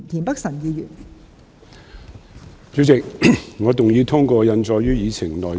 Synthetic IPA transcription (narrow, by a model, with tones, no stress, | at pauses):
nt̪ʰiː˨˩npɐ˥k̚sɐ˨˩njiː˨˧jyː˨˩n | t͡sy˨˥t͡sɪ˨k̚ŋɔː˨˧t̪ʊ˨˩ŋji˨˧wt̪ʰʊ˥ŋkʷɔː˧jɐ˨˧nt͡sɔː˨˧jɥyː˥jiː˨˧t͡sʰɪ˨˩ŋlɔː˨